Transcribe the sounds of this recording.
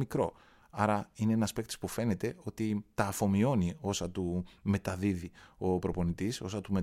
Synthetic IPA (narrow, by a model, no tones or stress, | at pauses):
mikɾo̞̰ | ɐɾɐineenɐspe̞k̚t̪i̥spufe̞ne̞t̪e̞o̞t̪it̪ɐːfo̞mio̞nio̞sɐt̪ume̞t̪ɐðiðio̞pɾo̞po̞nit̪iso̞sɐt̪ume̞